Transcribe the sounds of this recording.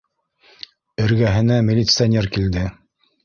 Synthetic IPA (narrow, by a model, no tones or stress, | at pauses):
ɘ̆ɾɡæɦɘ̆næmʲɪlʲit̪sɨanʲerkild̪ɘ